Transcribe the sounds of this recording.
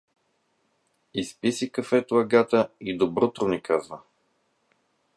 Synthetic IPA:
ispisikɐfɛt̪ʊɐɡat̪əid̪obɾot̪ɾʊnikazvə

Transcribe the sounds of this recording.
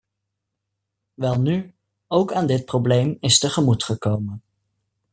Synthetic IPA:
ʋɛlˠny | owkaːndɪt̚prowblejmɪstəχəmutχəkowmən

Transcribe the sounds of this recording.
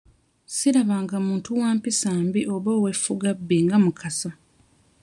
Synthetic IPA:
siɾaβaːŋɡamuːntuwaːmpisaːmbiʔoβoːwefuɡabːeŋɡamukʰasa

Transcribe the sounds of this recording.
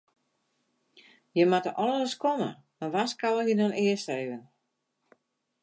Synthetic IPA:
jəmatəʔɔləəskomə̰ | maʋaskaləjədɔnɪəsteːvən

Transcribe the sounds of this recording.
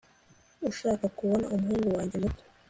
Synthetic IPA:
uʃaːkakuβo̞na̰umuɦuːŋɡuwaːɲɟemuto̥

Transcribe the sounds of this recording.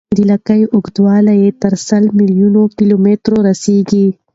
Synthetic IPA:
d̪ilakajʔʊɡd̪wɑːlajet̪ɐɾsɐlmilijunokilomet̪ɾoɾɐseɡi

